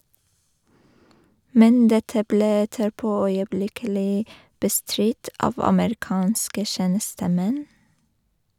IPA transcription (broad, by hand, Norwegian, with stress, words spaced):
ˈmɛn ˈdɛtə ˈbleː ˈɛtəɾˌpoː œʏəˈblɪkəlɪ bəˈstɾɪt ˈɑːʋ ɑməɾɪˈkɑːnskə ˈʃeːnəstəˌmɛn